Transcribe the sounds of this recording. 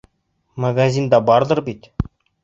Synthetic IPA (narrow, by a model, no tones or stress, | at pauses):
maɡazʲind̪ɑbɑɾd̪ˠəɾbit̪